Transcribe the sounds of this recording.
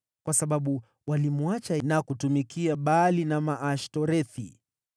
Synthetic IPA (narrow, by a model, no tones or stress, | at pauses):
kwasaɓaɓu | walimuat͡ʃanakutumikʰiaɓalinamaʔaʃtɔɾɛθḭ